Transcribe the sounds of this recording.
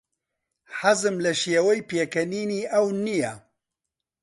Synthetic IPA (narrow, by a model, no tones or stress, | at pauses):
ħazɨmlɐʃijewɐjpeːkɐniːniːʔɐwnija